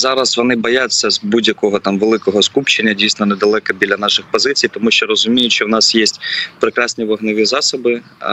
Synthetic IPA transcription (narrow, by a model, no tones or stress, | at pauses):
zɑɾɐsʋɔnɪbɔjat͡sʲːɐzbudʲjɐkɔɦɔt̪ɑmʋelˠɪkɔɦɔskupt͡ʃɪnʲːɐdʲijsnɔnɛd̪ɐlˠɛkɐbʲilʲɐnɑʃɪxpɔzɪt͡sʲijt̪ɔmuʃt͡ʃɔɾɔzʊmʲijʊtʲt͡ʃɔwnɑsjesʲtʲpɾɪkɾɑsʲnʲiʋɐɦnɔʋʲizɑsɔbɪ